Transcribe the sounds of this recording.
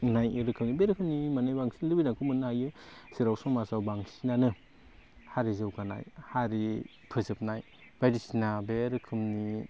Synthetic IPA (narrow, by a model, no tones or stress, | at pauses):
najɾɯkʰɯmnibeɾɯkʰɯmnimanɯjbaŋsinlɯbidaŋkʰumɯnhajɯsiɾawsɔŋmasawbaŋsinanɯ | haɾizɯwkana̰jhaɾi | pʰɯzɯp̚naj | b̥ajdisinabeɾɯkʰɯmni